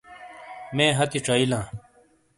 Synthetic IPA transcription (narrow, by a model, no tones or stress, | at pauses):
mẽːɦɐt̪iʈ͡ʂɐilãː